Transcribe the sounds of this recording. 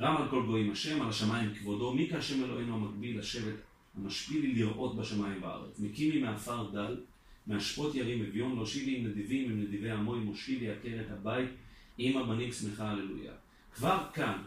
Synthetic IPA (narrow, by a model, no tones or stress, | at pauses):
ɡamalko̞lɡo̞imaʃe̞malaʃamajimkvodo̞mikeaʃemelo̞ʔenuamakbilaʃe̞ve̞t̪ | hamaʃpililiʁʔo̞t̪baʃamajimbaa̰ʁḛt͡smekivimeafaʁd̪al | meaʃpo̞t̪jaʁimevjo̞nloʃivimned̪ivimimned̪ive̞jhamo̞jmoʃkiliake̞ʁet̪habajt̪imabanimsmeχaalelṵja̰ | kvaʁkan